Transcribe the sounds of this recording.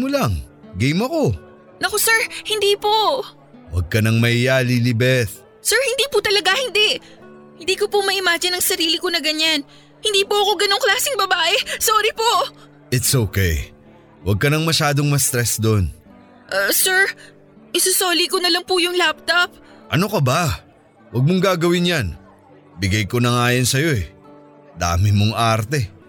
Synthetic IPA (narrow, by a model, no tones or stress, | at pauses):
mʊlaŋɡejmɐko̞ | nɐkosɛɹhɪnd̪iːpo | wɐ̰ɡ̚kɐnɐŋmɐʔɪjalilɪbɛθ | sɛɹhɪnd̪iːpʊt̪ɐlɐɡahɪnd̪ɛʔ | hɪnd̪iːkopʊmɐʔɪmaːd͡ʒɪnɐŋsɐɾiːlɪkonɐɡɐɲan | hɪnd̪iːpoʔɐko̞ɡɐno̞ŋklaːsɪŋbɐbaːʔɛsoːɾipoʔ | ʔɪt̪sʔowkɛj | wɐɡ̚kɐnɐŋmɐʃaːd̪o̞ŋmɐst̪ɾɛsd̪on | ʔsɛɹ | ʔɪsʊsoːlikonɐlɐŋpʊjʊŋlap̚t̪op̚ | ʔɐno̞kɐba | wɐɡ̚moŋɡaːɡɐwɪnjan | bɪɡɐjko̞nɐŋaːjɐnsɐjo̞ʔɛ | d̪a̰ːmɪmoŋʔaɾt̪ɛ